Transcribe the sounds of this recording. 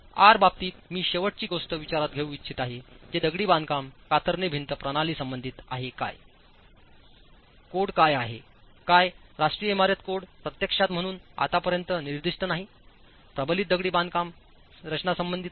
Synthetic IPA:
a̰ɾbab̚t̪iːt̪miːɕeʋəʈ̚t͡ɕiːɡosʈ̪əʋit͡ɕaɾat̪ɡʱeũːʋitt͡ɕʰit̪aɦed͡ʑed̪əɡɽiːband̪kamkat̪əɾnebʱint̪əpɾəɽ̃aliːsəmbənd̪ʱit̪a̰ɦeka̰j | koɽkajaɦḛ | kajɾaʂʈɾijəemaɾjət̪koɽpɾət̪jəkʂat̪m̤əɽ̃uːna̰t̪apəɾjənt̪əniɾd̪iʂʈənaɦi | pɾəbəlit̪̚d̪əɡɽiːband̪kam | ɾət͡ɕnasəmbənd̪ʱit̪

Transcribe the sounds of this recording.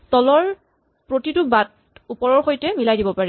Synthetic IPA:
tɔlɔɹ | pɹotitʊbat | upɔɹɔɹxojtɛmilajdibɔpaɹɛ

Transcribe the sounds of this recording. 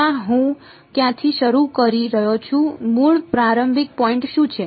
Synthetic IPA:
aɦũ | kjãt̪ʰiʃəɾukəɾiɾəɦot͡ʃʰũmuɭpɾaɾəmbʱik̚pɔiɳʈʃũt͡ʃʰe

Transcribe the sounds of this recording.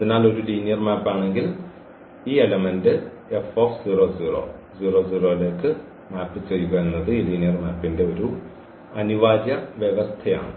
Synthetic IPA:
ɐðinaːlo̞ɾuliːnjɐrmaːpːaːɳe̞ŋɡil | iːelɐmendɨ | e̞fo̞ːfsuːro̞ːd͡ʑiːro̞̰ːd͡ʑuːro̞ːd͡ʑuːro̞ːile̞ːkːɨ | maːpːɨt͡ɕe̞jːuɣɐenːɐðɨiːliːnjɐrmaːpːinde̞o̞ɾu | ɐniʋaːdjɐʋjeʋɐst̪ʰɐja̰ːɳɨ̰

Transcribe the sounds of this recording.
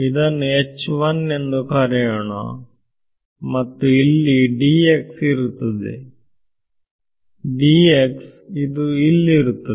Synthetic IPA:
id̪ɐnːuet͡ʃːʋɐne̞nd̪ukaːɾɐjɐɳɐ̰ | mɐt̪ːuilːiɖiːeksiɾut̪ːɐd̪ḛ | ɖiːeksid̪uilːɾut̪ːɐe

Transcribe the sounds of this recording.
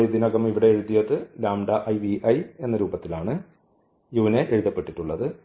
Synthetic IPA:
ɻid̪inɐɣɐmiʋiɽe̞ːɻuðijɐðɨlaːmɖɐʔɐjʋiʔɐje̞nːɐɾuːbɐt̪ːilaːɳɨ | juːneʔeɻuðɐpːe̞ʈːiʈːuɭːɐðɨ

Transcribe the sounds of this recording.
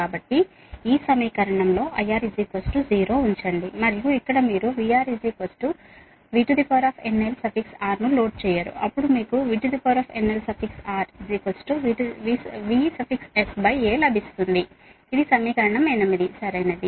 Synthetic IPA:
aːbɐʈːi | iːsɐmiːkɐɾɐɳɐmlo̞ːʔɐjaːɾid͡ʒiːkosʈud͡ʒiːɾo̞ːuɲt͡ʃɐɳɖimɐɾijuikːɐɽɐmiːɾuʋiːaːɾid͡ʒikosʈu | ʋiʈud̪ipoɾaːpʰenːelsɐpʰiksaːɾnulo̞ːɖ̚t͡ʃɛːjaːɾṵɐpːuɽumiːkuʋiʈud̪ipɐɾaːpʰenːelsɐpʰiksaːɾiziːkosʈuʋiʈʋiʋisɐpʰiksesbɐjeːlɐbʱist̪und̪i | id̪isɐmiːkɐɾɐɳɐmɛjnɐmid̪isɐɾɐjnɐd̪i

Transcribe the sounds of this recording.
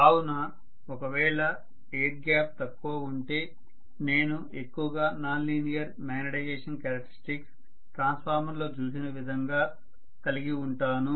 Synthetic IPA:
aːwunɐ | ɔkɐʋɛːɭɐ | eːʈ̚ɡjaːp̚t̪ɐkːoːuɳʈe̞ː | ne̞ːnu | ekːuʋɐɡaːnaːnliːnijɐɾmaːnɐɽɐɡeːʂɐnkɐɾɐkʈːɐɾisʈiks | ʈɾaːnspʰaːɾmɐnlo̞ːt͡ʃuːsinɐʋid̪ʱɐŋɡaː | kɐliɡiuɳʈaːnu

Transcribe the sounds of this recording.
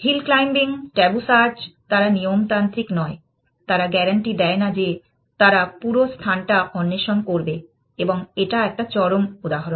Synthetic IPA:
hilklajmbiŋʈɛbusaɾd͡ʑt̪aɾanijomt̪ant̪ɾiknɔe | t̪aɾaɡɛɾaɳʈid̪ɛenad͡ʑe | t̪aɾapuɾost̪ʰanʈaʔɔnːeʃonkoɾbe | eboŋeʈaɛk̚ʈat͡ɕɔɾomud̪aɦaɾon

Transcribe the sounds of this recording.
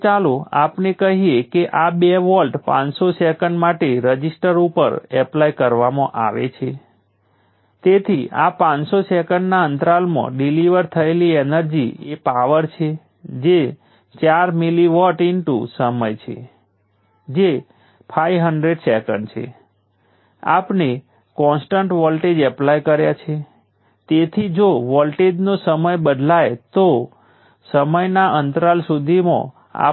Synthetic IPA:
t͡ʃaloapnekəɦijekeʔabeʋɔlʈpã̰nsosɛkəɳɖmaʈeɾəd͡ʒisʈəɾupə̰ɾɛplajkəɾʋamãʔa̰ʋḛt͡ʃʰe | t̪et̪ʰiʔa̰pãnsosɛkəɳɖnaənt̪ɾalmã̰ɖiliʋəɾt̪ʰəelienəɾd͡ʒiepaʋəɾt͡ʃʰe | d͡ʒe | t͡ʃaɾmiliʋɔʈɪnʈṵsəməjt͡ʃʰḛ | d͡ʒe | pʰajʋɦəɳɖɾeɖsɛkə̰ɳɖt͡ʃʰḛ | a̰pne | kɔ̃nsʈəɳʈʋɔlʈed͡ʒɛplajkəɾjat͡ʃʰe | t̪et̪ʰid͡ʒoʋɔlʈed͡ʒnosəməjbəd̪ʱlajt̪o | səməjnaʔənt̪ɾalsud̪ʱimã̰ | a̰

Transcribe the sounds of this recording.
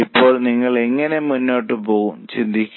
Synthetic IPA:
ipːo̞ːɭniŋːɐɭe̞ŋːɐne̞munːoːʈːɨpoːɣumt͡ɕind̪ʱikʲː

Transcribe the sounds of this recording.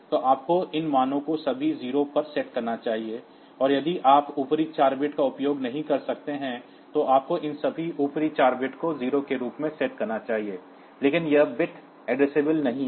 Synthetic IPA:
t̪oʔaːp̚koʔɪnmaːnõkosɐbʱiziːɾopɐɾsɛːʈkɐɾnat͡ʃaːɦie | ɔːɾjɐd̪iʔaːpuːpɾit͡ʃaːɾbɪʈkaʊpjoːɡnɐɦĩkɐɾsɐk̚t̪eɦɛ̃ | t̪oʔaːp̚koʔɪnsɐbʱiʔuːpɾit͡ʃaːɾbɪʈkoziːɾokeɾuːpmẽsɛːʈkɐɾnat͡ʃaːɦieː | leːkɪnjɐbɪʈ | ɛːɖɾeseːbəlnɐɦĩ

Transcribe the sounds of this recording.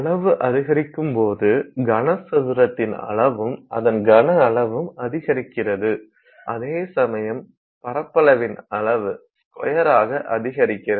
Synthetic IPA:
ɐɭɐʋɯʔɐðɪɣɐɾɪkːɯmpoːðɯɡɐɳɐsɐðɯɾɐt̪ːɪnɐ̰ɭɐʋɯmʔɐ̰ðɐnɡɐnɐːɭɐʋɯmɐðɪɣɐɾɪkːɪrɐðɯ | ʔɐðeːsɐmɐjɐm | pɐɾɐpːɐɭɐʋɪnɐɭɐʋɯ | kɔ̰jɐɾaːɣɐʔɐðɪɣɐɾɪkːɪrɐ

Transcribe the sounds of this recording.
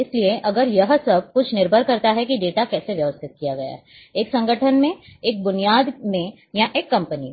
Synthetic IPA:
ɪslieʔɐɡəɾjɐɦsɐb̚kʊt͡ʃʰnɪɾbʱəɾkɐɾt̪aɦɛkiɖeːʈakɛːseʋjɐʋəst̪ʰɪt̪̚kijaɡɐja̰ɦɛ | eːksɐ̃ŋɡəʈʰənmẽeːk̚bʊnijaːd̪mẽ | jaʔeːkːɐ̃mpəni

